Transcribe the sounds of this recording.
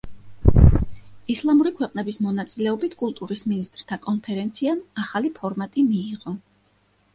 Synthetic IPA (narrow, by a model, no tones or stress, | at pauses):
islˠamuɾikʰwɛqʼnɛbismɔnat̪sʼilɛɔbit̪ʰkʼulˠt̪ʼuɾisminist̪ʼɾt̪ʰakʼɔnpʰɛɾɛnt̪sʰiamaχalipʰɔɾmat̪ʼimiːʁɔ